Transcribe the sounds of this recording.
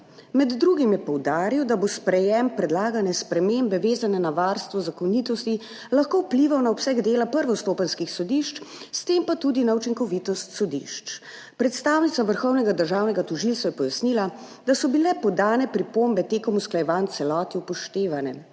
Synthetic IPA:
mɛd̪ːɾuɡimjɛpɔwd̪aːɾiwd̪abospɾɛjɛmpɾɛd̪laːɡanɛspɾɛmembɛʋeːzanɛnaʋaɾst̪ʋɔzakɔnit̪ɔst̪i | laxkowpliʋawnaɔpsɛɡd̪eːlapəɾʋɔst̪oːpanskixsɔd̪iʃt͡ʃ | st̪empat̪ud̪inaut͡ʃiŋkɔʋit̪ɔst̪sɔd̪ḭʃt͡ʃ | pɾɛt̪st̪awnit̪saʋəɾxɔwnɛɡad̪əɾʒaːwnɛɡat̪ɔʒilsajɛpɔjasnila | d̪asɔbilɛpɔd̪aːnɛpɾipoːmbɛt̪ekɔmusklajɛʋant̪sɛlɔːt̪iupɔʃt̪eːʋanɛ

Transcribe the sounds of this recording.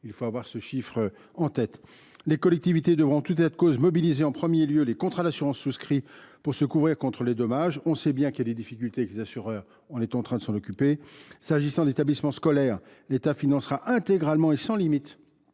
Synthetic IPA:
ilfoavwaʁsəʃifχ | ɑ̃t̪ɛt̪ | lekɔlɛk̚t̪ivit̪ed̪əvʁɔ̃t̪ut̪ɛt̪kozmɔbilizeɑ̃pχəmjeljølekɔ̃t̪χad̪asyʁɑ̃sːuskχipuʁsəkuvʁiʁkɔ̃t̪χəled̪ɔmaʒɔ̃sɛbjɛ̃kɛlːed̪ifikʲylt̪eklezasyʁœːʁ | ɑ̃nɛt̪ɑ̃t̪χɛ̃d̪əsɑ̃nɔkʲypesaʒisɑ̃d̪et̪ablismɑ̃skɔlɛʁ | let̪afinɑ̃sʁaʔɛ̃t̪eɡʁalmɑ̃esɑ̃limit̪

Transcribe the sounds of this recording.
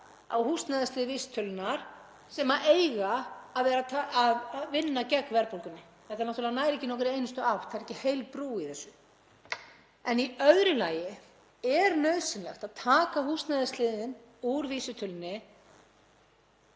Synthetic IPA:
a̰whust̪najðaslɪːðviːsɪ̥t̪ʰʏlʏnaɾ̥ | sɛmaʔeːjɣaːðvɛːɾat̪ʰaaðvɪnːacɛkːvɛɾpowlkʏnːɪ | θɛht̪aɾnaht̪ʏlɛðanaːjɾɛhcːɪnɔhk̬ɾɪeːjnʏst̪ʏawt̪ʰaðɪɾɛcɪhejlt̪pɾuːiθɛsːʏ̥ | ɛniœðɾʏlaːjɪ | ɛɾnœɥsɪnlɛ̰xt̪aðt̪ʰaːkaɦust̪najðast̪lɪːðɪn | uɾviːsʏt̪ʰʏlnːɪ

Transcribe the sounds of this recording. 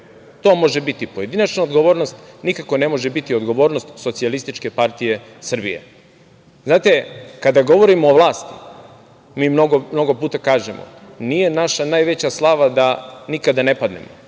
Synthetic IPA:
t̪o̞ːmo̞ʒe̞bit̪ipoje̞d̪inat͡ʃnaod̪ɡo̞ʋo̞ːɾnost̪nikako̞ne̞mo̞ʒebit̪iod̪ɡo̞ʋo̞ːɾnost̪so̞t̪sialist̪it͡ʃke̞paɾt̪ije̞ | sr̩bḭjḛ | znaːt̪e̞kad̪aɡo̞ʋo̞ɾimoːʋlˠaːst̪i̥ | miːmnoɡomno̞ɡo̞puːt̪akaːʒemo̰nije̞naʃanaːjʋe̞t͡ɕaslˠaʋad̪anikad̪ane̞pad̪ne̞̰mo

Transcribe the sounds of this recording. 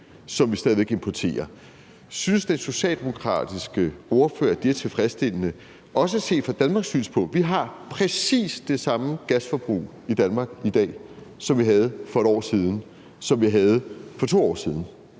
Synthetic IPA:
sɒ̽mʋisd̥ɛðˠie̝ɡ̥empʰɒt͡sʰe̝̰ːɐ | synsd̥enso̝ɕɛ̰ːld̥e̝mo̝kʰʁɑ̰̈ːd̥isɡ̥əo̝ɐfø̰ːɐd̥iæɐt͡sʰe̝lfʁɛsd̥e̝l̰ənə | ɒ̽s̬əæse̝̰ːfɑ̈d̥ænmɑ̈ːɡ̥sy̰ːnspʰɒ̽ʋiɦɑ̈pʰʁɛsḭːsd̥e̝sɑ̈məɡ̥æsfɒ̽b̥ʁṵː | id̥ænmɑ̈ːɡ̥id̥ɛ̰ːsɒ̽mʋiɦæð̞̩ˠfɒ̽e̝ɾɒ̰ːsiːð̞ˠn̩ | sɒ̽mʋiɦæð̞̩ˠfɒ̽t͡sʰo̝̰ːɒ̰ːsiːðˠn̩

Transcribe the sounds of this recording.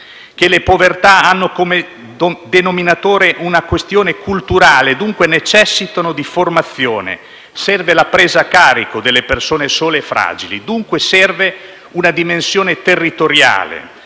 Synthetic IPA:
k̟elepovert̪aanːokome | d̪enominat̪oːɾeʔunakwest̪joːnekult̪uɾaːled̪uŋkwenet͡ʃɛsːit̪onod̪iformat̪sːjoːnḛ | sɛrvelapɾeːzakaːɾikod̪elːepersoːnesoːlefɾa̰ːd͡ʒilḭd̪uŋkwesɛrve | unad̪imensjoːnet̪erːit̪oɾja̰ːlḛ

